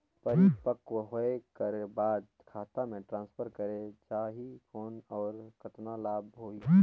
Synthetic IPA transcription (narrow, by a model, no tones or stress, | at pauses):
pəɾipəkwəɦoekəɾebaːd̪ | kʰaːt̪amẽʈɾãːnspʰəɾkəɾed͡ʒaːɦipʰoːnɔːɾkət̪nalaːbɦoːi